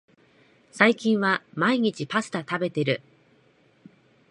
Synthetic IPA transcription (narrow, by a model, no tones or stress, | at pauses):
saikʲĩɰ̃βamaiɲ̟it͡ɕipasɨ̥t̪at̪abe̞t̪e̞ɾɯ̟